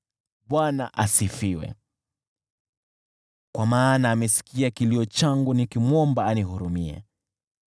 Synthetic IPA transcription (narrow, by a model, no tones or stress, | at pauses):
ɓwanaʔasifiwɛ̰ | kwamaːnaːmɛsi̥kiakiliɔt͡ʃaŋɡunikimwɔmbaːnihuɾumiɛ̰